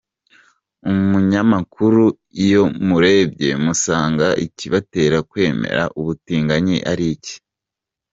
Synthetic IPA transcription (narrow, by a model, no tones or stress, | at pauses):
umuɲamakʰuɾu | ijo̞muɾe̞ːbɟe̞̰musaːŋɡaʔiciβate̞ːɾakwe̞ːmḛɾa̰ʔuβutiːŋɡaɲiʔaɾici̥